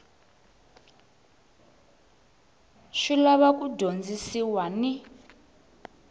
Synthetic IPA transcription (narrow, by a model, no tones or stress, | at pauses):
ʃilaβakʼudʱond͡zisiwani